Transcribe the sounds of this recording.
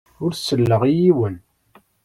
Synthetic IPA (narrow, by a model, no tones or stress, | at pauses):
ʊɾsəlːəʁijiwən